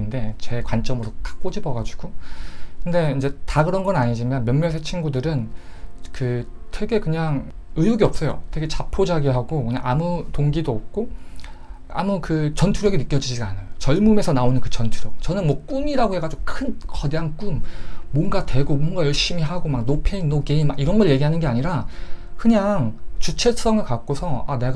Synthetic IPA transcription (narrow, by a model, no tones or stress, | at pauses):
inde̞t͡ɕe̞kwant͡ɕ͈ʌmɯɾok͈ḁk͈od͡ʑibʌɡad͡ʑu̥ɡ̥okɯnde̞ind͡ʑe̞taɡɯɾʌnɡʌnaɲid͡ʑimʌnmjʌnmjʌs̬ʰet͡ɕʰinɡudɯɾɯnkɯtʰwe̞ɡe̞kɯɲaŋ | ɯjuɡiʌp̚s͈ʌjo̰tʰwe̞ɡe̞t͡ɕapʰod͡ʑaɡiɦaɡokɯɲa̰ŋamutoŋɡidoʌp̚k͈o | a̰mukɯt͡ɕʌntʰuɾjʌɡinɯk͈jʌd͡ʑid͡ʑiɡanajot͡ɕʌɭmume̞sʰʌnaonɯnkɯt͡ɕʌntʰuɾjʌk̚t͡ɕʌnɯnmwʌk͈umiɾaɡohe̞ɡad͡ʑiɡokʰɯnkʌdeank͈umːʌnɡadwe̞ɡomʌŋɡajʌɭɕ͈imiɦaɡomak̚nopʰeinːokeimmakiɾʌnɡʌɭje̞ɡiɦanɯnɡe̞aɲiɾakɯɲaŋt͡ɕut͡ɕʰe̞s͈ʌŋɯɭkak̚k͈osʰʌa̰ne̞ɡ